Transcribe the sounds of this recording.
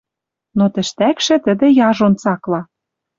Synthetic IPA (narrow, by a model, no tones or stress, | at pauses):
not̪ə̆ʃt̪ækʃɘ̆t̪ə̆d̪ĕjɑʒont͡sɑklɑ